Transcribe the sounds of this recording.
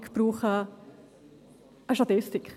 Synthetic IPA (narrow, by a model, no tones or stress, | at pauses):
kb̥ɾuːχə | ʔəʃtat̪ɪstɪk